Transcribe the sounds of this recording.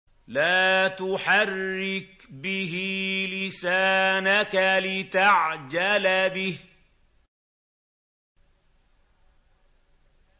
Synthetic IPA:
laːt̪ʊħarːɪkbɪɦilɪsaːnakalɪt̪aʕd͡ʒalabɪh

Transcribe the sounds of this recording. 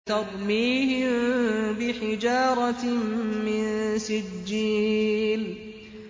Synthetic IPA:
t̪ɑɾˤmiːhɪmbɪħɪd͡ʒɑːɾˤɑ | mɪnsɪd͡ʒːiːl

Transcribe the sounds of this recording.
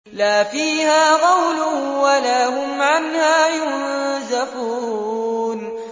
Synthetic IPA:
laːfiːhaːqɑwlʊwalaːhʊmʕanhaːjʊnnzaħuː | n

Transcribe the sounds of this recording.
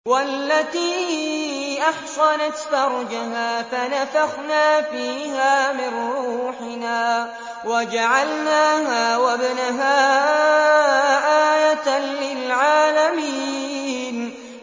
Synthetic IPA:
walːat̪iː | ʔaħsɑnat̪fɑɾˤd͡ʒaɦaːfanafaɣnaːfiːɦaːmɪnːɾuuːħɪnaː | wad͡ʒaʕalnaːɦaːwabnaɦaː | ʔaːjat̪lɪlʕaːlamiːn

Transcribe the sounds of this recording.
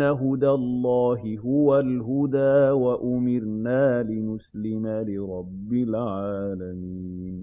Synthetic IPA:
aɦʊd̪alˤːɑːɦɪɦʊwalɦʊd̪aːwaʔʊmɪɾnaːlɪnʊslɪmalɪɾˤɑbːɪlʕaːlamiːn

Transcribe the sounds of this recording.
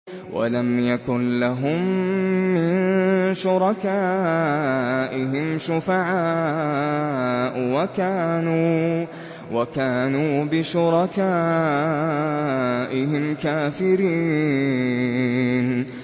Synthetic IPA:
wʔa̰lamjakʊnlaɦʊmː | ɪnʃʊɾˤɑkaː | ʔɪɦɪmʃʊfaʕaː | ʔwakaːnuː | wʔakaːnuːbɪʃʊɾˤɑkaː | ʔɪhɪmkaːfɪɾiː | n

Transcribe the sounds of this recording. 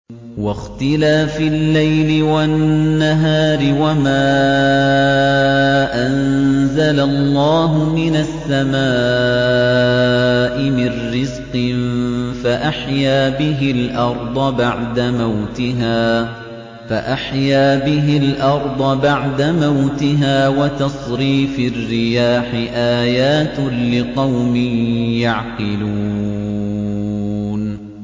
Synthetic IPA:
wɑxt̪ɪlaːfilːajlɪwanːaɦaːɾɪwamaː | ʔanzalalˤːɑːɦʊmɪnasːamaː | ʔɪmɪrːɪzqɨnfaʔaħjaːbɪɦɪlʔɑɾˤd̪ˤbaʕd̪amawt̪ɪɦaː | faʔaħjaːbɪɦɪlʔɑɾˤd̪ˤɑbaʕd̪amawt̪ɪɦaːwat̪ɑsˤɾiːfɪrːɪjaːħɪʔaːjaːt̪lɪqɑwmɪnjaʕqɪluː | n

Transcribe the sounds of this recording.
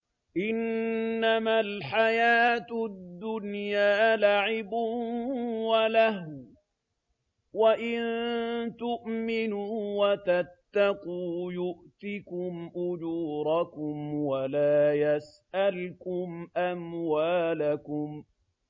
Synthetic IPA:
ʔɪnːamalħajaːt̪ʊd̪ːʊnjaːlaʕɪbʊ | walah | waʔɪnnt̪ʊʔmɪnuwat̪at̪ːɑquːjʊʔt̪ɪkʊmʔʊd͡ʒuːɾˤɑkʊmwalaːjasʔalkʊmʔamwaːlakʊm

